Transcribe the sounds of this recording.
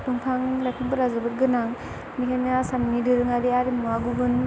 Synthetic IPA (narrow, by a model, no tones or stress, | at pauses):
tɔŋpʰaŋɾakʰiŋbɯɾazɯbɯt̚ɡɯnaŋ | mikʰanasamnidɯɾɯŋaɾiaɾimuaɡubɯn